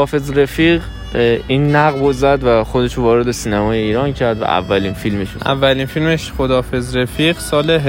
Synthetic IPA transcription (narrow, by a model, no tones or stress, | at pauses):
ɒːfe̞zɾefiʁ | iːnːæɣbozæd̪væxod̪eʃovɒːɾed̪esiːnæmɒːjeiːɾɒːncʰæɾd̪væ̰ʔæ̰vːæliːnfilmeʃo̰ʔæ̰vːæliːnfilmeʃχod̪ɒːfezɾefiːɢsɒːleɦ